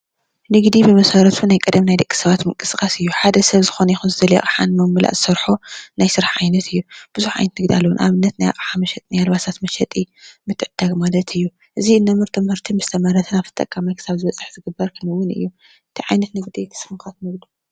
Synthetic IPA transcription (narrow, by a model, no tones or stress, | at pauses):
nɨɡd̪ibɨmɐsɐɾɐt̪ʰunajkʼɨd̪ɐmnajd̪ɐkʼːi̥sɐβat̪mɨŋkʼɨskʼasɨjːuħad̪ɐsɐβzɨxonɐjixunzɨd̪ɐlja̰ʔʼħanmɐmɨla̰ʔzɨsɐɾħonajsɨɾaħʕajnɐt̪ʰɨjːub̥ɨzuħʕa̰jnɐt̪nɨɡd̪ialːɐwunʔa̰βɨnːɐt̪naja̰qʼħamɐʃɛt̪ʼnajalβasat̪mɐʃɛt̪ʼimɨt̪ʰʼːʕɨd̪̥aɡmalɐt̪ʰɨjːu | ʔɨziɨnːɐmɨɾt̪ʰɨmhɨɾt̪ʰimɨst̪ʰɐmɐɾɐt̪ʰɨnaft̪ʰɨ̥t̪ʼɐ̰kʼːamajkʰɨ̥saβzɨβɐt͡sʼːɨħzɨɡɨbɐɾkʰɨnɨwːʊnɨ̰jːu | ʔɨt̪ʰiʕajnɐt̪nɨɡd̪ijkʰɨ̥sɨmxat̪nɨɡd̪u̥